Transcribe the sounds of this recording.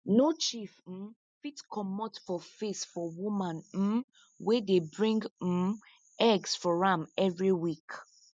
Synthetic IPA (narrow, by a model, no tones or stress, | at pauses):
not͡ʃif̩ | fitkʰɔmɔtfɔfesfɔwumãnm̩ | wedebɹĩŋɡ̩ | ɛɡsfɔɹãmɛvɹiwik